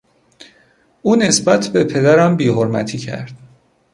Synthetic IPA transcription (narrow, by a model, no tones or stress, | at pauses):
ʔuːne̞sbæt̪ʰbe̞pʰe̞d̪æɾæmbiːhoɾmæ̰t̪ʰiːcʰæ̰ɾd̪̥